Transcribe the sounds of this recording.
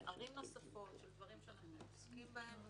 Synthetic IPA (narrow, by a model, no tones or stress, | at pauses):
ʔaʁimnosafo̞tʃeld̪vaʁimʃeananu | ib